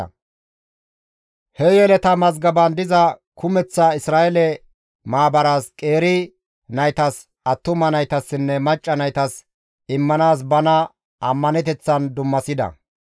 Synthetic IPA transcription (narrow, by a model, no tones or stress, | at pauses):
hɛjɛlɛt̪ɐmɐzɡɐbɐnd̪ɪzɐkʰʊmɛt͡sːɐɪsɾaːʔɛlɛ | maːbɐɾaːskʼe̞ːɾɪ | nɐjt̪ɐs | ɐt̪ːʊmɐnɐjt̪ɐsːɪnːɛmɐt͡ʃʼːɐnɐjt̪ɐs | ɪmːɐnaːs̬bɐnɐ | ɐmːɐnɛt̪ɛt͡sːɐnd̪ʊmːɐsɪd̪ɐ̰